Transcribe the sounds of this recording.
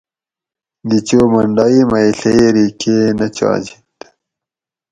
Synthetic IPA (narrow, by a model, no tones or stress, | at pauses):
d̪it͡ɕoːmɐɳɖaːimɐiɬeeɾiːkʰenɐt͡ɕa̰ːd͡ʑi̥t̪